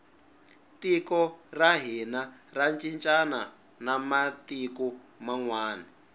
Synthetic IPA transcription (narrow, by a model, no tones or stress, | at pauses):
tikɔraɦinarant͡ʃʼint͡ʃʼana | namatiku | maŋwaːni